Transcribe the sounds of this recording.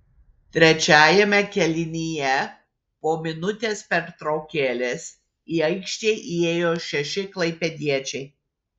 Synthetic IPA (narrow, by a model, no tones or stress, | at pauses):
t̪ʲɾʲɛt͡ʃʲæːjɛmʲɛkʲɛlʲɪnʲijɛ | poːmʲɪnʊt̪ʲeːspʲɛɾt̪ɾɐʊkʲeːlʲeːs | iːɐɪkʃʲt̪ʲeːʔieːjoːʃʲɛʃʲɪklˠɐɪpʲɛd̪ʲiɛt͡ʃʲɛɪ